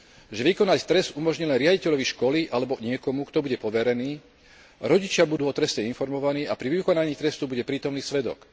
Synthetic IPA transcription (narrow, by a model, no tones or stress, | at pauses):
ʒɛʋikɔnact̪ɾɛsd̪umɔʒɲilɛnɾɪaɟicɛʎɔʋiʃkɔliʔalɛbɔɲɪɛkɔmukt̪ɔbuɟɛpɔʋɛɾɛniː | ɾɔɟit͡ʃɪabud̪uːɔt̪ɾɛscɛinfɔɾmɔʋaniːapɾiʋikɔnaɲiːt̪ɾɛst̪ubuɟɛpɾiːt̪ɔmniːsʋɛd̪ɔ̰k